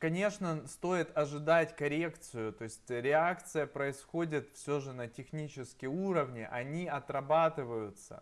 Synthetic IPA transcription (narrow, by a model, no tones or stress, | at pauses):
kɐnʲe̞ʂnəst̪o̞ɪt̪ɐʐɨd̪atʲkɐɾʲe̞kt̪sɨjʊt̪o̞ɪsʲtʲɾʲɪakt̪sɨjəpɾəɪsxo̞dʲɪt̪fsʲoʐɨnətʲɪxnʲit͡ɕɪskʲɪjuɾəvnʲɪʔɐnʲiɐt̪ɾɐbat̪ɨvəjʊt̪sə̰